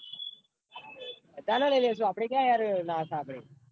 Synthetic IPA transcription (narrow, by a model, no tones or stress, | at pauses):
t̪analeles̬uaːpɽekjaːjaɾnakʰaːpɽḛː